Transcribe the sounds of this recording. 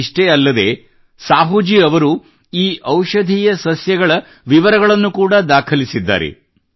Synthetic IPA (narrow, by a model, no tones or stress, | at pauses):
ʂʈeːɐlːɐd̪e̞̰ː | saːɦud͡ʒiːɐʋɐɾu | iːʔɐwʃɐd̪ʱiːjɐsɐsjɐɡɐɭɐ | ʋiʋɐɾɐɣɐɭɐnːukuːɽad̪aːkʰɐlisid̪ːa̰ːɾḛ